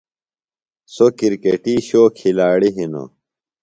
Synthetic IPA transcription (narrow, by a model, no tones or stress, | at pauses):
sokiɾkeʈiːɕoːkʰːilaːɽiɦino̰